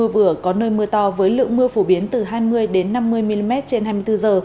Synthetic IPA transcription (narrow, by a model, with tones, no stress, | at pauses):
ɨ˧əvɨ˧˩əkɔ˨˦nəː˧jmɨ˧ət̪ɔ˧˩vəː˨˦jlɨ̰˧˨əŋmɨ˧əfo˧˩ɓi˨˦ənt̪ɨ˨˩ɦaː˧jmɨ˧əjɗe˨˦nːa˧mːɨ˧əjmi˧li˧mɛ˦˥t̚t͡ɕe˧nhɦaː˧jmɨ˧əjt̪ɨ˧zəː˨˩